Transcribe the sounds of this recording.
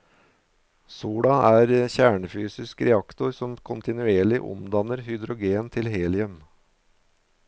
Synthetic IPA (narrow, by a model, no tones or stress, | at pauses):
suːɽɑæːɾçæːɳəfyːsɪskɾɛɑkt̪ʊɾsɔmkʰʊnt̪ɪnʉeːɭɪʔʊ̰md̪ɑnəɾhʏd̪ɾʊɡeːnt̪ʰɪlheːlɪœm